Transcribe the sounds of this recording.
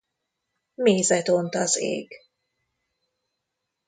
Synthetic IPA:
meːzɛt̪ont̪ɒzḛːɡ

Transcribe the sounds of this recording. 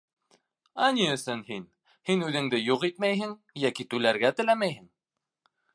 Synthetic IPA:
æniɵ̆sɘnhin | hinʉðɘ̆ŋd̪ɘjuqit̪̚mæjɦɘŋ | jækit̪ʉlæɾɡæt̪ɘ̆læmæjhɘŋ

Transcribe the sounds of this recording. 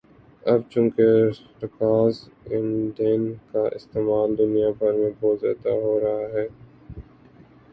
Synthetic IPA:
ɐbt͡ʃʊ̃ːke | ɾɪkaːz | ɪ̃nɖenkaʔɪ̰st̪eːmaːld̪ʊnijabʱɐɾmẽbɔːt̪zja̰ːd̪a̰ɦoːɾɐɦaɦɛː

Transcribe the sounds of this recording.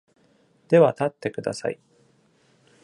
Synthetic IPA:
d̪̥e̞βat̪at̪ːe̞kɯ̟d̪a̰sa̰i

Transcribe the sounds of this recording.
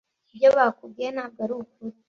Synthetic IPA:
ibjoβaːkubɡeanaːb̚ɡaɾukuɾ

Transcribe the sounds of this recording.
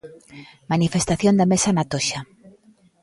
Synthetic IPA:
manifest̪aθjond̪amesanat̪oʃa

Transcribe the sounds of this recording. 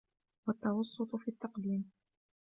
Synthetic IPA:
wat̪ːɑwɑsˤːʊt̪ˤʊfiːt̪ːɑqd̪iːm

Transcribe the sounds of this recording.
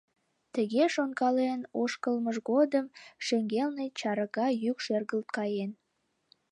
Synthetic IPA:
t̪əɣeʃonkɑlenoʃkəlməʒɣod̪əmʃeŋɡelnet͡ɕɑɾəɣɑjykʃerɣəlt̪̚kɑjen

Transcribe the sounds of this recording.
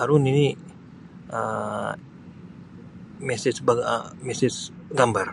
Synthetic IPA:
aɾʊnini | ə | mɛsɪsbaɡ̰mɛsɪsɡambar

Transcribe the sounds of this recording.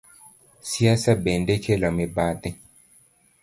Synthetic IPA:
siasabendekʰelɔmibad̪ɛ

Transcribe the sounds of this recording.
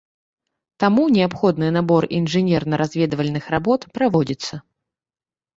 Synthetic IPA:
t̪amunʲɛapxɔd̪nɨnabɔrinʐɨnʲɛrnɐɾazʲvʲɛd̪ɐvɐlʲnɨxrabɔt̪pɾavɔd͡zʲit̪sːɐ

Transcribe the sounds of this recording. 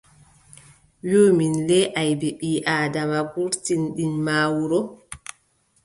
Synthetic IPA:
joːminlɛʔajbeɓiːʔaːdamaɡuɾtinɗinmaːwuɾɔ

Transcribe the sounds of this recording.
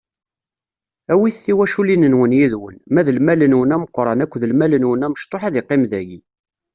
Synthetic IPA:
æwiθθːiwæʃulinənwənjiðwə̰nmæðəlmælənwənæməqːɾˤɑnækʷːðəlmælənwənæməʃt̪ˤoħæðɪqːɪmðæʝi

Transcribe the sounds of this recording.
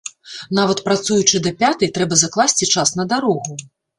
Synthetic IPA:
navɐt̪pɾat̪sujut͡ʂɨd̪ɐpʲat̪ɐjt̪ɾɛbɐzɐklˠasʲt͡sʲit͡ʂasn̪ɐd̪aɾɔɣu

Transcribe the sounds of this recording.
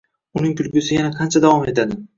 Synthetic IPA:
ʊnɪŋt̪ʰʊlɡʲʊsɪjanaqʰɑnt͡ʃʰad̪avɒme̞t̪ʰad̪ɪ

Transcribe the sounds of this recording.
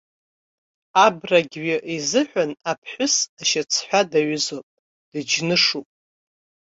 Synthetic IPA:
abraɡʲɥɪʔizɨħʷᶣanapʰħʷʊsaʃat͡sʰħʷadaɥzopʼ | d̥ɨd͡ʒnɨʂupʼ

